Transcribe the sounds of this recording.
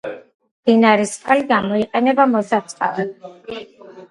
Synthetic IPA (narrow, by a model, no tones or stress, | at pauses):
md̪̥inaɾisqʼaliɡamɔiqʼɛnɛbamɔsat̪sʼχqʼa̰lɛ